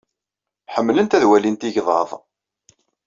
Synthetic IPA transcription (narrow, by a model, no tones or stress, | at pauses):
ħəmːlənt̪æðwælint̪iʝðˤɑ̰ðˤ